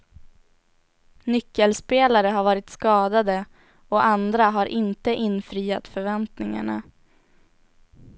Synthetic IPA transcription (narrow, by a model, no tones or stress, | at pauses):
nʏkːəlspeːlaɾəɦaɾvɑːɾɪt̪skɑːd̪ad̪ə | ɔʔand̪ɾaɦaɾʔɪnt̪əʔɪnːfɾiːa̰t̪fœɾvɛnt̪nɪŋa̰ɳa̰